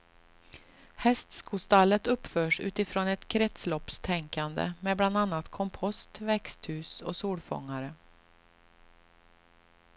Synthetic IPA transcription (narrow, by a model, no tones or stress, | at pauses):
hɛst̪skʰʊst̪alːət̪ɵpːfœːʂʉ̟̰ːt̪ɪfɾoːnɛt̪kʰɾɛt̪slɔpst̪ʰɛŋkand̪ə̰meːbland̪anːat̪kʰɔmpʰɔst̪vɛkst̪hʉ̟ːsɔsuːlfɔ̰ŋːaɾə